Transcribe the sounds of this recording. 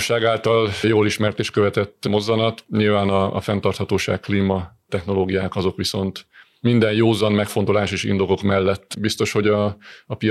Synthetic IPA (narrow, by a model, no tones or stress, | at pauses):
ʃaːɡaːlt̪ɒljoːliʃmɛrt̪eːʃt̪̚kø̞vɛt̪ɛt̪ːmo̞zːɒnɒt̪ɲilvaːnɒ̰ːfɛnt̪ɒrt̪hɒt̪oːʃa̰ːkkliːmɒt̪ɛxno̞loːɡijaːkɒzo̞kʋiso̞nt̪ | mind̪ɛnjoːzɒnmɛkfo̞nt̪o̞laːʃeːʃḭnd̪o̞ɡo̞kmɛlːɛt̪ːbist̪o̞ʃho̞ɟɒːpi